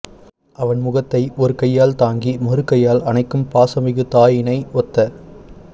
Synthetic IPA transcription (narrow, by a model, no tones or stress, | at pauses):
ʔɐʋɐnmʊɣɐt̪ːɐɪʔɔɾɯkɐjːaːlt̪aːŋɡimɔrɯkːɐjaːlɐnɐɪkːɯmpaːsɐmɪɣɯt̪aːjɪnɐɪɔt̪ːɐ